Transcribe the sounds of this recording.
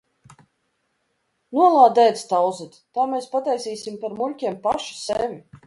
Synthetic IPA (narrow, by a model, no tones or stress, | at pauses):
nuɔlˠaːd̪ɛjt̪st̪awzit̪t̪aːmeːspat̪ajsiːsʲimpaɾmulʲkʲiɛmpaʃi̥sevʲi